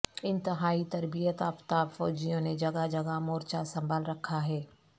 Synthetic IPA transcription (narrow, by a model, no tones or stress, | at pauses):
ɪ̃nt̪ɪɦaːit̪ɐɾbijət̪aːft̪aːbfɔːd͡ʒijõned͡ʒɐɡad͡ʒɐɡamoːɾt͡ʃasɐ̃mbʱaːlɾɐkʰaɦɛː